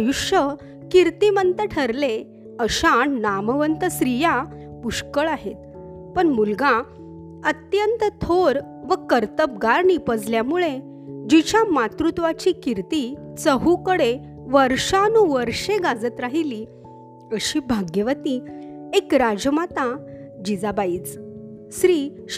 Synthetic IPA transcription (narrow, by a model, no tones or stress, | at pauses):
juʂə | kiɾt̪imənt̪əʈʰəɾle | əɕaɳnaməʋənt̪əsɾija | puɕkəɭaɦet̪ | pəɳmulɡã | ət̪jənt̪ət̪ʰoɾ | ʋəkəɾt̪əp̚ɡaɾnipəd͡zljamuɭe | d͡ʑit͡ɕamat̪ɾut̪ʋat͡ɕikiɾt̪it͡səɦukəɽe | ʋəɾʂanuʋəɾʂeɡad͡zət̪ɾaɦili | əɕiːbʱaɡjəʋət̪iekɾad͡ʑəmat̪ad͡ʑid͡zabaiːt͡s | sɾiː